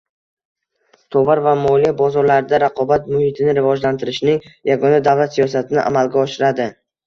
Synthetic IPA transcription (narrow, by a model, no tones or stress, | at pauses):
t̪ʰɒvaɾvamɒlijabɒzɒɾlaɾɪd̪aɾaqʰɒbat̪mʊhɪt̪ʰɪnɪɾɪvɒd͡ʒlant̪ʰɪɾɪʃnɪŋjaɡɒnad̪avlat̪sijɒsat̪ʰɪnɪʔa̰malɡʲaɒʃɪɾad̪ɪ